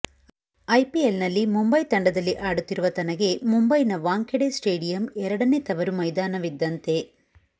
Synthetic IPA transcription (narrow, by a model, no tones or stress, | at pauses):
ɐjpielnɐlːimumbɐjt̪ɐɳɖɐd̪ɐlːiʔaːɽut̪ːiɾuʋɐt̪ɐnɐɡe̞mumbɐjnɐʋaːŋkeɽesʈeːɽijɐmɛɾɐɽɐnet̪ɐʋɐɾumɐjd̪aːnɐʋid̪ːɐnt̪e̞